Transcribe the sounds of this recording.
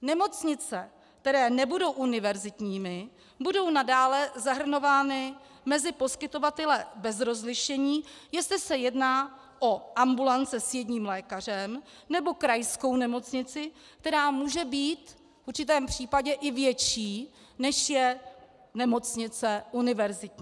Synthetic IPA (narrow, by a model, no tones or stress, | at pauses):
nɛmo̞t͡sɲɪt͡sɛ | k̚t̪ɛɾɛːnɛbudo̞wʔunɪvɛɾzɪt̪ɲiːmɪ | budo̞wnadaːlɛzaɦr̩no̞vaːnɪ | mɛzɪpo̞skɪt̪o̞vat̪ɛlɛbɛzɾo̞zlɪʃɛɲiːjɛst̪lɪsɛjɛdnaː | ʔo̞ʔambulant͡sɛsjɛdɲiːmlɛːkar̝ɛm | nɛbo̞kɾajsko̞wnɛmo̞t͡sɲɪt͡sɪ | k̚t̪ɛɾaːmuːʒɛbiːt̪ | fuɾt͡ʃɪt̪ɛːmpr̥iːpaɟɛʔɪvjɛt͡ʃiː | nɛʃjɛ | nɛmo̞t͡sɲɪt͡sɛʔunɪvɛɾzɪt̪ɲː